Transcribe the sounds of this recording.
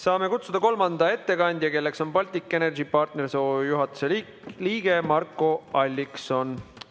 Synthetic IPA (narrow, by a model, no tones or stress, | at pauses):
sɑːme̞kut̪sud̪ɑko̞lmɑnd̪̥ɑe̞t̪ːe̞kɑnʲd̪̥ʲjɑke̞lːe̞kso̞npɑlʲt̪ʲikːˑe̞ne̞rdipɑrt̪ne̞ɾisojuɦɑt̪ːˑu̥se | liːɡ̥e̞mɑrkːˑo̞ɑlʲːikso̞n